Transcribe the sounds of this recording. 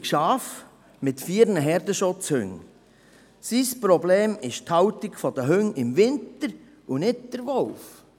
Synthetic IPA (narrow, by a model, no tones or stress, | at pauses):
kʃɑːf | mɪt̪fiːɾnəɦɛɾdəʃʊt͡shʏ̰ŋ | sispɾɔbleːmɪʃthɑwtikfɔd̥̪əɦʏŋɪmvɪnt̪əɾ | unɪt̚d̥əɾʋɔlf